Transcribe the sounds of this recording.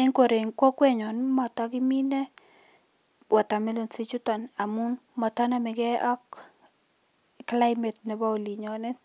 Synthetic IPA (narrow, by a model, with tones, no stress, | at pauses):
e˦ŋko˨ɾe˨ŋkwɔ˦kwɛ˦ɲɔ˨nmɔ˨tɔ˦kɪ˦mi˦nɛ˦ | wa˨ta˨mi˦lo˨nsi˦t͡ʃu˦tɔ˨na˨mu˦n | mɔ˨tɔ˦na˦mɛ˨ɡɛ˦ʔɔ˦k | kla˦ɪ˦mɛ˨tnɛ˨ba˦o˨li˨ɲɔ˨nɛ˦